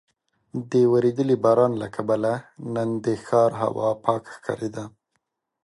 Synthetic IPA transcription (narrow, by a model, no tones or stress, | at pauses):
d̪əwaɾed̪əlibɑɾɑnlakʰabalanənd̪əxɑɾɦa̰wɑ̰pʰɑkxkʰɑ̰ɾed̪a